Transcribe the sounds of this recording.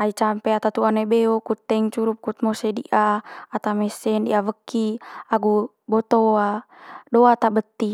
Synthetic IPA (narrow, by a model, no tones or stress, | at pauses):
ait͡ʃampeat̪at̪uanebeokut̪ːɛŋt͡ʃuɾup̚kut̪̚mɔsedḭʔaat̪amɛsɛndiʔavəkːiaɡu | bɔt̪oa | doat̪abət̪ːi